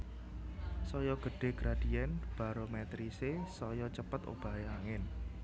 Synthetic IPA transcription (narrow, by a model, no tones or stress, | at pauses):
sɔjɔɡ̥ə̤ɖ̥e̤ɡ̥ɾad̥iɛnb̥a̤ɾomɛt̪ɾisesɔjɔt͡ʃəpət̪o̰b̥a̤eaŋɪn